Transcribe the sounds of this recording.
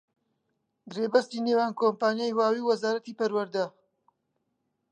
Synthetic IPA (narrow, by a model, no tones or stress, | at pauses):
ɡɾeːbɐst̪iːnewaːnkompaːnjaːjwaːwiːwwɐzaːɾɐt̪iːpɐɾwɐɾd̪ɐ